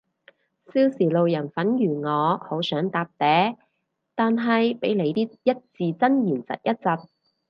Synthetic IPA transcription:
siː˥wsiː˨˩lo˨wjɐ˨˩nfɐ˨˥njyː˨˩ŋɔː˨˧ho˨˥wsœː˨˥ŋt̪aː˨p̚t̪ɛː˨˥ | t̪aː˨nɦɐ˨jpe˨˥jle˨˧jt̪iː˥jɐ˥t̚t͡siː˨t͡sɐ˥njiː˨˩nt͡sɐ̰˨t̚jɐ˥t̚t͡sɐ˨t̚

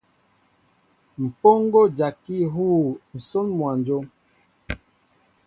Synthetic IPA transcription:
m̩˨po˦ŋ˦ɡo˦d͡ʒa˨ki˦ɦuː˦˨n̩˨so˦nmwa˨nd͡ʒo˦

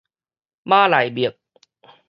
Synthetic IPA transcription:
maː˥˩laː˩˦jbi˨˩ək̚

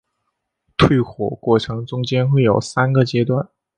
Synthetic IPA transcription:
t̪ʰwe˥˩ɪxwɔ̰˨˩kwɔ˥˩ʈ͡ʂʰɤ˧˥ŋʈ͡ʂʊ˥ŋt͡ɕjɛ˥nxwe˥˩ɪjo˨˩ʊsa˥nɡə˨t͡ɕjɛ˥t̪wa˥˩n

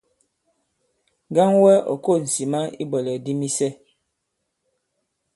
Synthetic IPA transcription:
ɡa˦ŋwɛ˦ɔ̰˨ko˦˨n̩˨si˨ma˦ḭ˦bɔ˨lɛ˨di˦mi˦sɛ˦

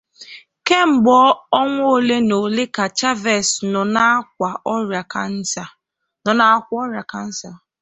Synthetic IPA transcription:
ke˦m̩˨ɡ͡bɔ˦ɔ˦ŋʷo˦˨le˦no˨le˦ka˨t͡ʃa˦vɛ˨snɔ˨na˦kʷa˨ʔɔ˦ɾa˨ka˦n̩˦sa˨ | nɔ˨na˨˦kʷɔ˦ɾja˨ka˨n̩˦sa˨

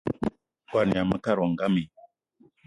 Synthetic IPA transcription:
ɡwa˨ɾni˨a˨mə˦ka˦˨ɾwɔ˨ŋ˨ɡa˦mi˨

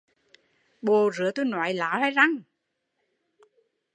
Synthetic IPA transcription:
ɓo˨˩zɨ̰˧˦t̪o˧jnɔ˨˩˦jla̰ː˨˦ha˨˧˦jza˧ŋ

